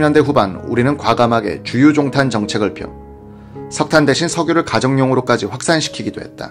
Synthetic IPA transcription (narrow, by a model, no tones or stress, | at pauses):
ɲjʌnde̞ɸubanṵɾinɯnkwaɡamɦaɡe̞̰t͡ɕujud͡ʑoŋtʰant͡ɕʌŋt͡ɕʰe̞ɡɯɭpʰjo̰ | sʰʌk̚tʰande̞ɕʰinsʰʌɡjoɾɯɭkad͡ʑʌŋɲoŋɯɾok͈ad͡ʑiɸwak̚s͈anɕʰi̥kʰiɡidoɦe̞̰t̚t͈a̰